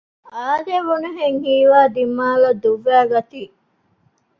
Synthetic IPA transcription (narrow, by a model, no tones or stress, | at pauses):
aːd̪eʋunuɦeŋhiːʋaːd̪imːaːlɐd̪uʋːæːɡɐt̪iː